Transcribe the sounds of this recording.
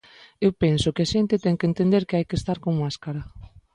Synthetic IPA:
ewpensokɪaʃent̪ɪt̪ɛŋkent̪end̪eɾkeɪajkest̪aɾkoŋmaskaɾɐ

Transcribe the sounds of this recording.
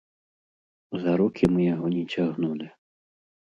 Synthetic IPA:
zaɾukʲʰimɨjaɦɔnʲɛt͡ɕʲaɣnulʲi

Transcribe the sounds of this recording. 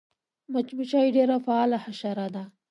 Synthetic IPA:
mat͡ʃbit͡ʃɑiɖeɾafaɑlahaʃaɾad̪a

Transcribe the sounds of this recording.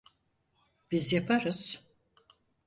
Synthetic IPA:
b̥izjapʰaɾɯz̥

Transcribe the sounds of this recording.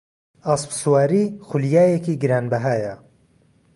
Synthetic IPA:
aːspsuwaːɾiːxʊljaːjekiːɡɨɾaːnbɐɦaːjɐ

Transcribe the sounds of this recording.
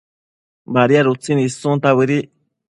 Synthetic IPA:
baɾiaɾut͡sinisũnt̪aβɨɾi

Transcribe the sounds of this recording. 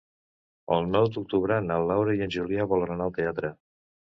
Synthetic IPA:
ɔ̰lˠnɔwt̪uk̚t̪uβɾanalːawɾejənʲʒuliaβɔləɾanalˠt̪eat̪ɾə

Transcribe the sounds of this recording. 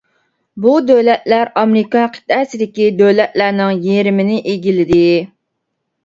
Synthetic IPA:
bud̪øwlɛt̪læɾɑmɾɪkɑnqʰə̥t̪ʰːɛsɪd̪ɪkʲid̪øwlɛt̪̚læɾnɪŋjeɾɪmɪnɪʔeɡʲilɪd̪ɪ

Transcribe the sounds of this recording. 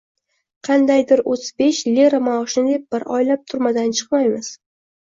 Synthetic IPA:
qʰɑnd̪ajd̪ɪɾozbeʃlʲeɾamawʃɪnɪd̪e̞p̚b̥ɪɾɒ̰jlap̚t̪ʰʊɾmad̪ant͡ʃʰɨ̥qmajmɪz̥

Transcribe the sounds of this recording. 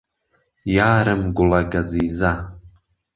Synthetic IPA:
jaːɾɨmɡʷʊlaɡaziza

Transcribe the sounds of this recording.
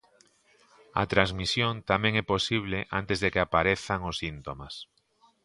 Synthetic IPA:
a̰t̪ɾazmisjõnt̪amɛ̃ŋɛposiβ̞leʔa̰nt̪ezðekeapaɾeθaŋʊsːint̪omas

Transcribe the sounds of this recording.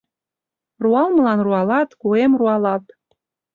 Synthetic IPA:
ruɑlməlɑnruɑlɑt̪kuemruɑlɑt̪

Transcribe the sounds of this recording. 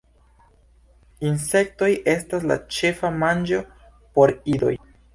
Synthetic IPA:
inse̞k̚to̞jʔe̞stas̬la̰t͡ʃe̞famand͡ʒo̞ | po̞ɾido̞̰j

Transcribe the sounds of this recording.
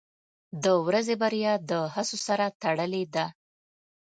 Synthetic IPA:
d̪əwɾazebaɾjɑd̪əhasosaɾat̪aɽəled̪a

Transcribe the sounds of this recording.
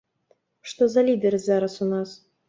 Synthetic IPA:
ʂt̪ozalʲid̪ʲeɾʲzɑɾɑsunɑs

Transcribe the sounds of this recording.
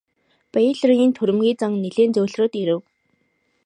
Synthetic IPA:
pæjɮrŋiːnt̪ʰɵɾɘ̆mɡʲiːt͡saŋneɮeːnt͡sɵːɮroːt̪iɾɘ̆w

